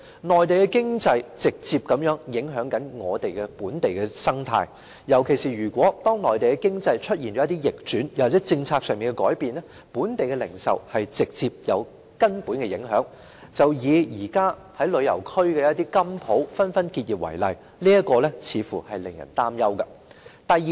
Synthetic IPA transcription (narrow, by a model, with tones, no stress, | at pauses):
nɔː˨jt̪e˨jkɛ˧kɪ˥ŋt͡sɐ˧jt͡sɪ˨k̚t͡si˧p̚kɐ˨˥mjœː˨˥ŋjɪ˨˥ŋɦœː˨˥ŋkɐ˨˥nŋɔː˨˧t̪e˨jkɛ˧puː˨˥nt̪e˨jkɛ˧sɐ˥ŋt̪ʰa̰ː˧j | jɐ˨˩wkʰe˨˩jsiː˨˩ɥyː˨˩kʷwʷɔː˨˥t̪ɔː˥ŋnɔː˨jt̪e˨jkɛ˧kɪ˥ŋt͡sɐ˧jt͡ʃʰɵ˥t̚jiː˨˩nt͡ʃɔ˨˦˥ɐ˥t̪i˥jɪ˨k̚t͡ʃyː˨˥njɐ˨˩waː˨t͡sɛː˨˥t͡sɪ˧ŋt͡sʰaː˧k̚sœː˨ŋmiː˨˩nkɛ˧kɔː˨˥jpiː˨nɛ˥ | puː˨˥nt̪e˨jkɛ˧lɪ˨˩ŋsɐ̰˨whɐ˨jt͡sɪ˨k̚t͡siː˧p̚jɐ˨˧w | kɐ˥npuː˨˥nkɛ˧jɪ˨˥ŋɦœː˨˥ŋ | t͡sɐ˨wjiː˨˧jiː˨˩kaː˥ | hɐ˨˥jlɵ˨˧ɥjɐ˨˩wkʰɵ˥ɥkɛ˧jɐ˦ɐ˥t̪i˥kɐ˥mpʰo˨˥wfɐ˥nfɐ˥nkiː˧t̚jiː˨p̚wɐ̰˨˩jlɐ̰˨j | liː˥jɐ˥t̚kɔː˧lɛ˥t͡sʰiː˨˧fu˨˩hɐ˨jlɪ˨ŋjɐ̰˨˩nt̪aː˥mjɐ˥wkɐ˧t̪ɐ˨ji˨